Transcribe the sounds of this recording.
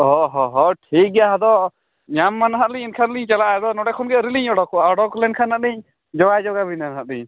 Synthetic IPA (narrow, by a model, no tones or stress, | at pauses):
ɦɔɦɔɦɔʈʰik̚ɡjaɦɛd̪ɔ | ɲamːanɦat̪liɲinkʰanliɲt͡ʃalaɦɛd̪ɔnɔɽɛkʰunɡɛɾiliɲɔɽɔkaɔɽɔklɛnkʰanːat̪liɲ | d͡ʒɔɡajd͡ʒɔɡabinanɦat̪̚lĩɲ